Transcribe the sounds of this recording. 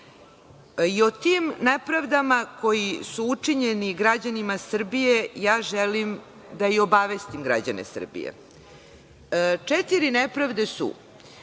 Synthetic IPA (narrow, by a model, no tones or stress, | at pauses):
io̞t̪iːmnepɾaʋd̪amako̞jisuut͡ʂiɲe̞niɡɾad͡ʑanimasr̩bije̞jaːʒelim | d̪aio̞baʋest̪imɡɾa̰d͡ʑanḛsr̩bḭjḛ | t͡ʂet̪iɾinepɾaʋd̪e̞sṵ